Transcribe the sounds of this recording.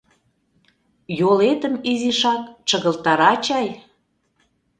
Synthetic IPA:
jolet̪əmiziʃɑkt͡ʃəɣə̆lt̪ɑɾɑt͡ɕɑj

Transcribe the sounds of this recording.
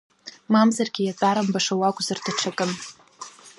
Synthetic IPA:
mamzarɡʲɪjat͡sʼaɾambaʂawakʷʼzardʰaʈ͡ʂʰakʼɨn

